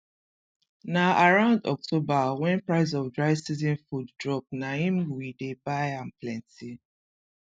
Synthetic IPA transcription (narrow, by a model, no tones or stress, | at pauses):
naʔaɹãʊ̃ndɔ̰k̚tʰobawɛ̃npɹaɪz̬ɔvdɹaɪsizĩnfuddɹɔp̚nahĩmwidebaɪãnplɛ̃nti